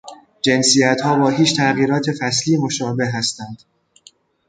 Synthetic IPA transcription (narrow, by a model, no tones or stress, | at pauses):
d͡ʒe̞nsijæt̪hɒːbɒːɦiːt͡ʃt̪ʰæɣiːɾɒːt̪ʰe̞fæsliːmoʃɒːbeɦːæst̪ænd̪̥